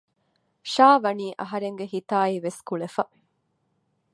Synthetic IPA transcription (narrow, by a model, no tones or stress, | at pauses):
ʃaːʋɐniːʔɐɦɐɾeŋɡeɦit̪aːiʋeskuɭefɐ